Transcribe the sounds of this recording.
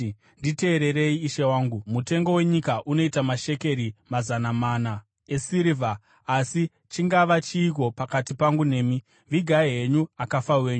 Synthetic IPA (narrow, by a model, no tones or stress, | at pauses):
ndite̞ːɾe̞ɾe̞iːʃewaːŋɡumute̞ŋɡo̞we̞ɲikaʔuno̞itamaʃe̞ke̞ɾimazanamaːna | esiɾivʱaː | si | t͡ʃiŋɡaʋat͡ʃiːk̬o̞pakatipaŋɡune̞ːmi | ʋiɡʱaeɦe̞ɲuakafawe̞ːɲu